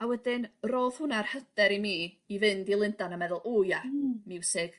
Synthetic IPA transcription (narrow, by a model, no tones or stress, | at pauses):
awɛdɪnroːð̥hʊnarhəd̥ɛɾimiː | vɨndilˠɪndanamɛðʊlˠʔujamɪwsɪɡ̥